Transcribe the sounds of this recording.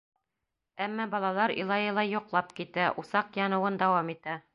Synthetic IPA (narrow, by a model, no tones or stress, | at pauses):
æmːɑbɒlˠɑlˠɑɾḭlˠɑjɤlˠɑjŏqlˠɑpkit̪æʔusɑqjɑnɤ̆wɤnd̪ɒwɑmit̪æ